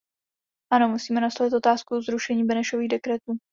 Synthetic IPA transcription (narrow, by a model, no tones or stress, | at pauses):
ʔano̞musiːmɛnaslavɪt̪ʔo̞t̪aːskuzɾuʃɛɲiːbɛnɛʃo̞viːɣdɛkɾɛt̪uː